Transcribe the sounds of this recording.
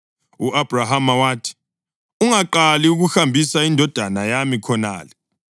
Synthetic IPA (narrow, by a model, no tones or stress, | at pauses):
uʔab̥ʱraɦamawaːtʰi̥ | uŋaǃaliuɣuxambʱisaindʱɔd̥ʱanajamikʰɔna̰ːlɛ